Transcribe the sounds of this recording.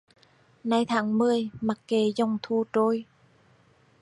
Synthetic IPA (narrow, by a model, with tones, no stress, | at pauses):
na˧jt̪ʰaː˨˦ŋmɨ˧əjma˨˩kkːe˨˩˦zɔ˧wŋ͡mt̪ʰu˧t͡ɕo˧˩j